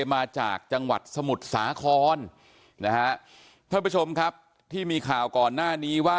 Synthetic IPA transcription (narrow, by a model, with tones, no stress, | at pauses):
maː˧t͡ɕa̰ː˨˩k̚t͡ɕa˧ŋwa̰˨˩t̪̚sa˧mu˨˩t̪̚saː˩˦kʰɔː˧n | na˦˥kʰa˦˥ʔ | t̪ʰaː˥˩pːt͡ɕʰo˧mkʰa˦˥p̚ | t̪ʰiː˥˩miː˧kʰaː˨˩wkɔː˨˩nːaː˥˩niː˦˥waː˥˩